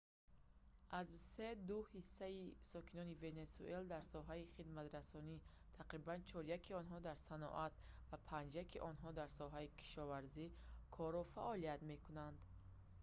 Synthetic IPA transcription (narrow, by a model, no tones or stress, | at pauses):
azse̞d̪uhisːaisɔkʰinɔnive̞ne̞sṵʔeld̪aɾsɔɦaiχid̪mat̪ɾasɔni | t̪ʰaqɾibant͡ʃʰɔɾjakʰiɔnɦɔd̪aɾsanɔ̰ʔat̪vapʰãnd͡ʒjakʰiʔɔnɦɔd̪aɾsɔɦaikʰi̥ʃɔvaɾzikʰɔɾɔfaʔɔliat̪me̞kunand̪